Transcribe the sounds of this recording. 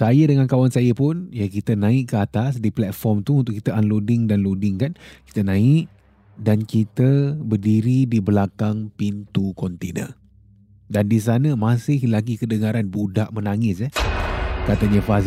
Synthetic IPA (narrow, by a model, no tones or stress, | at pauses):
sajədəŋankawansajəpʊnjakit̪ənãɪʔkəat̪as̬diplɛt̪̚fɔrmt̪uunt̪ʊʔkːit̪əanlodɪŋdanlodɪŋkanki̥t̪ənãɪʔ | dankit̪əbərdiɾidibəlakaŋpint̪ukɔnt̪enə̰ | dandis̬anəmasɪhlaɡikədəŋaɾanbudaʔmənaŋɪsəhkat̪əɲəfas